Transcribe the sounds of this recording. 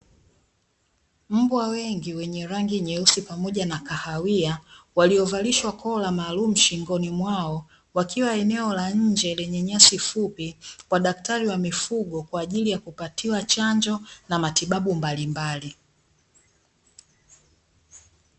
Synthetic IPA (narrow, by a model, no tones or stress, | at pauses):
m̩bwawɛŋɡiwɛɲɛɾaŋɡiɲɛusipamɔʄanakahawiawaliɔvaliʃwakʰɔlamaːlum̩ʃiŋɡɔnimwaɔ | wakiwaɛnɛɔlaɲ̩d͡ʒɛlɛɲɛɲasifupikwaɗaktaɾiwamifuɠɔkwaːʄilijakupatʰiwat͡ʃaɲd͡ʒɔnamatiɓaɓumbalimbali